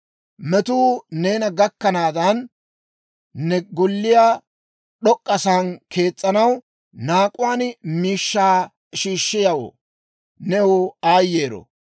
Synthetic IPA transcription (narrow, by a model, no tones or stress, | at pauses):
mɛt̪uːneːnɐɡɐkːɐnaːd̪ɐn | ɛɡʊlːɪjaː | ɗɔkʼːɐsankʰe̞ːt͡sʼːɐnɐw | naːkʼʊwaːnmiːʃːaː | ʃiːʃːɪjɐwo̰ː | nɛuːaːjːeːɾɔ̰